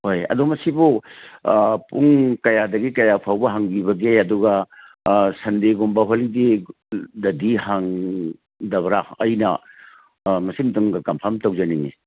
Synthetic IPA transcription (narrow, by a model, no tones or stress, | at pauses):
hojɐ̰dumɐsibu | puŋkɐjadɐɡikɐjapʰawbɐɦaŋbibɐɡeɐduɡɐ | sɐndeɡumbɐɦolidi | dɐdiɦaŋ | dɐbɾaɐjnɐ | mɐsimtɯŋɡɐkɐmpʰɐɾmtɐwd͡ʒɐninḭ